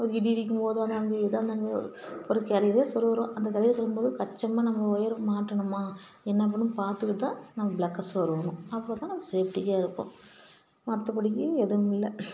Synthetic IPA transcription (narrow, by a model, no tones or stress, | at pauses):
ɔɾɯɪɽiɪɽɪkʲːɯmpoːðɯɐðnaːɡɯɛðaːɐnd̪ɐːnmḛ | ɔɾɯkɐɾɐjɐleːsɔɾɯɾõːʔɐnd̪ɐkɐɾɐjɐsɔlːɯmpoːðɯkɐʈt͡ʃːɐmːaːnɐmːɐɔjɐɾmaːʈːɐɳɯmaː | ɛnːɐp̬ːɐɳːɯmpaːɾt̪ɯkːɯt̪ːãːnɐmːɐblɐkːɐsʋɐɾɯʋɐnʊ̃ɐpːoːt̪ãːnɐmːɐseːpʈɪkːaːɪɾɯkːõ̰ː | mɐt̪ːɐpɐɽɪk̬ːɯɛðɯmɪlːɐ